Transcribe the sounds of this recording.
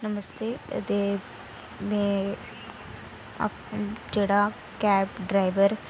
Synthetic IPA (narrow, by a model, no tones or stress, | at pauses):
nəməst̪ḛːt̪eː | mẽ | d͡ʒeːɽaː | kɛːpɖɾaːɪʋəɾ